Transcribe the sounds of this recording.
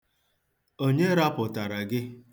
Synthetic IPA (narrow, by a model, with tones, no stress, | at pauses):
o˦ɲe˦ɾa˦pʊ˨ta˨ɾa˨ɡɪ˦